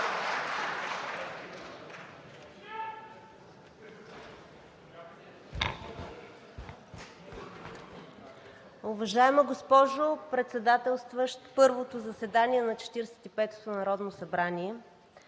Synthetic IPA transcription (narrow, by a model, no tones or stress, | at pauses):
ʊvɐʒaɛmɐɡospɔʒopɾɛt̪sɛd̪at̪ɛlˠst̪vəʃt̪pɤɾvot̪ozɐsɛd̪aniɛnɐt͡ʃɛ̥t̪iɾɛsɛ̥t̪ipɛt̪o̥t̪onɐɾɔd̪nosɐbɾaniɛ